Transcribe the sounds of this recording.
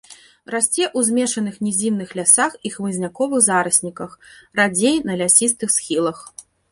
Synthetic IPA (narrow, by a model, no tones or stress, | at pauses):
rasʲt͡sʲɛʔuzʲmʲɛʂɐnɨxnʲɛzʲiwnɨxlʲasaxixmɨzʲnʲakɔvɨɣzaɾɐsʲnʲikɐxrad͡zʲejnɐlʲasʲist̪ɨxsxʲilˠɐx